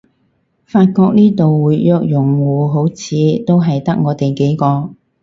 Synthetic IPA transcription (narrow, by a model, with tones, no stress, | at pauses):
faː˧t̚kɔː˧k̚niː˥t̪o˨wwuː˨˧jjœː˧k̚jʊ˨˩ŋwuː˨ɦo˨˥wt͡sʰiː˨˧t̪o˥wɦɐ˨jt̪ɐ˥k̚ŋɔː˨˧t̪e˨jke˨˥jkɔː˧